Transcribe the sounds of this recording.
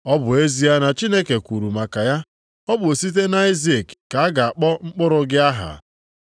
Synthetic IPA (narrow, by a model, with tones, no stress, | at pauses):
ɔ˦bʊ˨e˦zi˦a˦na˨t͡ʃi˦ne˦ke˨kʷu˨ɾu˨ma˨ka˨ja˦ | ɔ˦bʊ˨o˨si˦t̬e˦na˦i˦zi˦e˨kka˨a˦ɡa˨a˨k͡pɔ˦ŋ͡m̩˦k͡pʊ˦ɾʊ˦ɡɪ˦a˦ɦa̰˨